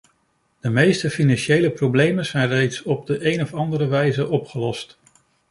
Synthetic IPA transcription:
d̥əmejstəfinɑnʃejləprowblejmənzɛjnrejtsɔb̚dəʔejnɔfɑndəɾəʋɛjzəʔɔpχəlɔst

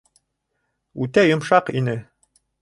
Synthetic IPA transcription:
ʉt̪æjŏmʃɑqinɘ

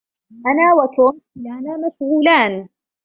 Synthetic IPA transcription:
ʔɐnaːwɐt̪ʰoːmlanaːmɐʃɣuːlaːn

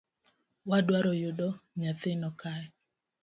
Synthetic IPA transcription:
wadwaɾɔjʊdɔɲat̪ɪnɔkaɛ

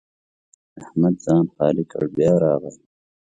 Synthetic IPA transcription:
ɐhmɐd̪̚zɑːnxɑːlikɐ̰ɽbjɑːɾɑːɣɐl

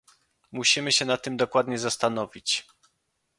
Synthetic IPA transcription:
muɕimɘɕɛnat̪ːɘmd̪ɔkwad̪ɲɛzast̪anɔvʲit͡ɕ

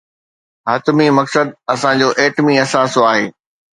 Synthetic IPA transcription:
ɦɐt̪ʊmimɐksəd̪̚ɐsãd͡ʑoːʔeːʈmiɐsaːsoaːɦeː

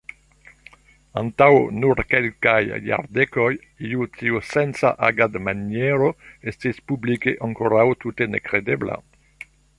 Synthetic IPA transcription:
ant̪awnuɾkelkajːa̰ɾd̪ekoj | iut̪iusensa̰ʔaɡad̪manjɛɾoest̪ispublikeʔaŋkoɾawt̪ut̪enekɾed̪ebla̰

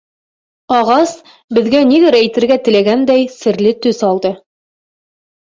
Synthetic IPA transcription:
ɑʁɑs | bɘ̆ðɡæniðɘɾæjt̪ɘ̆ɾɡæt̪ɘ̆læɡænd̪æjsɘ̆ɾlɘt̪ɵsɑlˠd̪ɤ

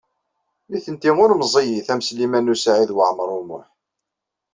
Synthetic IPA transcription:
miθənt̪imʊɾmzˤijiθæmslimænusʕiðwəʕmɾˤʊmʊ̰ħ

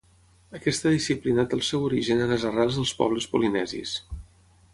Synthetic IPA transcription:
əkɛst̪əðisiplinat̪əlˠsɛwuɾiʒənənəzəralˠzðəlˠspɔ̰β̞ləspulinɛzḭs

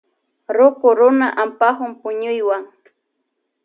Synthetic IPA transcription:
ɾʊkʊɾʊnaʔampahʊmpʊɲʊjwaŋ

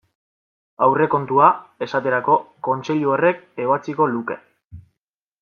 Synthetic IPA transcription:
awre̞ko̞nt̪uae̞sat̪e̞ɾako̞ko̞nt͡se̞ʎuore̞ke̞βat͡siko̞luke̞̰

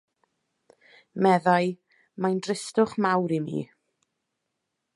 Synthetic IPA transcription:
mɛðaɨ | majndrɪstʊχmawɾimḭː

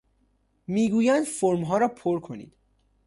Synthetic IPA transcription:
miːɡuːjænd̪foɾmɦɒːɾɒːpʰoɾkʰo̞nḭːd̪̥

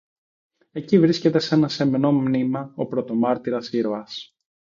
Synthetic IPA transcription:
e̞civɾisce̞t̪e̞se̞nɐse̞meno̞mnimɐo̞pɾo̞t̪o̞mɐɾt̪iɾɐsiɾoɐs

